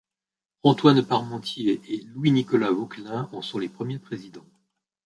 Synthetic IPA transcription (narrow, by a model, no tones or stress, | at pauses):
ɑ̃t̪wanpaʁmɑ̃t̪jeʔelwinikɔlavoklɛ̃ɔ̃sɔ̃lepχəmjepχezid̪ɑ̃